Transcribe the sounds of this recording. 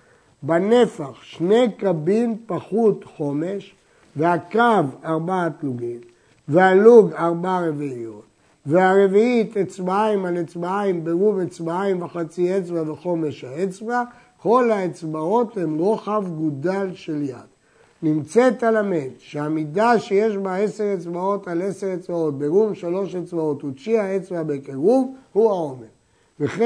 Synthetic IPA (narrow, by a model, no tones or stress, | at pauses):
banefaχʃne̞jkabimpaχut̪χo̞me̞ʃ | vehakavaʁbaːt̪luɡim | vehaluɡaʁbaʁeviio̞t̪ | veaʁe̞viit̪et͡sbaaimalet͡sbaaimbeʁuvet͡sbaajimvaχat͡siet͡sbaveχo̞me̞ʃhaet͡sva | ko̞lhaet͡sbao̞themʁo̞χavɡud̪alʃe̞lja̰d̪̥ | nimt͡set̪alamenʃeamidaʃejeʃbae̞seʁet͡sbao̞taleseʁet͡sbao̞t̪̚beʁumʃalo̞ʃet͡sbao̞t̪ut͡ʃihaet͡svabekeʁuvhuao̞meʁ | veχe